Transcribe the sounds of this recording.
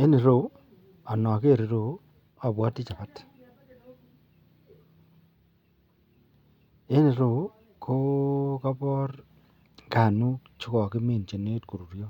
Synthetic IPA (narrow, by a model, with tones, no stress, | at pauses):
e˦nɪ˨ɾo˨ | a˨nɔ˨ke˦˨ɾe˨ɾo˨ | a˨bwa˦tɪ˦t͡ʃa˨pa˦t | e˦nɪ˨ɾo˨ | kʰo˦ka˦bɔ˦r | ka˨nu˦t͡ʃʊ˦kɔ˨kɪ˦me˨nt͡ʃe˨ne˦tko˨ɾu˨ɾjo˦